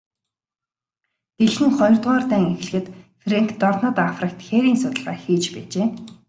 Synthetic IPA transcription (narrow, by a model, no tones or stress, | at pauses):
t̪eɮxɘ̆ŋχɔjrt̪ʁaːrt̪æːŋex̆ɮɘ̆xɘ̆t̪freŋkʰt̪ɔrnɔ̆t̪afrə̆k̚t̪xeːɾiːnsʊt̪ə̆ɮaːxiːt͡ɕpæːt͡ɕeː